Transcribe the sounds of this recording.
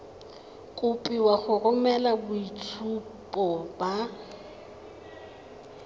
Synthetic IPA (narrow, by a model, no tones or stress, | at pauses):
kʼʊpʼiwaχʊrʊmɛlabʊit͡sʰupʼɔba